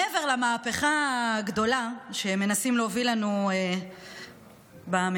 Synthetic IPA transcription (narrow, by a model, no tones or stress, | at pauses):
eve̞ʁlemaːpeχaɡd̪o̞laʃe̞me̞nasimleovilanue | bam